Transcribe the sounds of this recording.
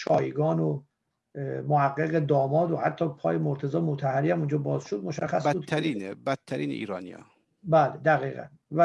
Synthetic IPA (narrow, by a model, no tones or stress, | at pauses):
ʃɒːjiɡɒːno | mohæɡːeɣe̞d̪ɒːmɒːd̪ohæt̪ʰːɒːpʰɒːjemoɾt̪ʰe̞zɒːmot̪ʰæhæɾiːhæmund͡ʒɒːbɒːzʃod̪moʃæxːæsbud̪ʰɾiːnebæt̪̚ʰːæɾiːneḭːɾɒːnḭjɒ̰ː | bæːled̪æɣiːɣæ̰n | væ